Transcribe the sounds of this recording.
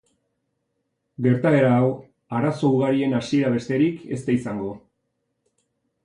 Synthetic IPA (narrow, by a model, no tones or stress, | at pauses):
ɡe̞ɾt̪ae̞ɾaːw | aɾaso̞uɣaɾie̞nasie̞ɾaβ̞e̞st̪e̞ɾikʰe̞̰st̪aisaŋɡo̞